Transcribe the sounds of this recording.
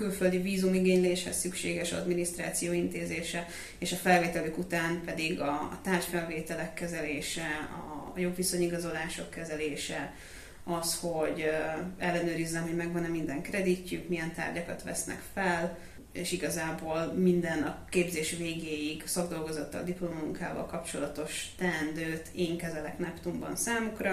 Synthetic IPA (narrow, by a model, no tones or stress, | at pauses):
kylføld̪iviːzumiɡeːɲleːʃhɛ̰sːykʃḛːɡɛʃɒ̰d̪minist̪ɾa̰ːt̪sijoːint̪eːzeːʃɛ | eːʃɒfɛlveːt̪ɛløːkut̪aːmpɛd̪iɡɒ̰t̪aːrʃfɛlveːt̪ɛlɛkːɛzɛleːʃɛɒ̰jo̞bviso̞ɲiɡɒzo̞laːʃo̞kːɛzɛleːʃɛ | ɒsho̞ɟɛlːɛnøːɾizːɛmɦo̞ɟmɛɡʋɒnɛmind̪ɛŋkɾɛd̪icːykmijɛnt̪a̰ːrɟɒkɒt̪ʋɛ̰snɛ̰kfɛl | eːʃiɡɒzaːboːlmind̪ɛnɒkeːbzeːʃveːɡeːjiɡsɒɡd̪o̞lɡo̞zɒt̪ːɒ̰ld̪iplo̞mɒmuŋka̰ːvɒ̰lkɒpt͡ʃo̞lɒt̪o̞ʃt̪ɛnd̪øːt̪ʰeːŋkɛzɛlɛknɛpt̪umbɒ̰nsaːmukrɒ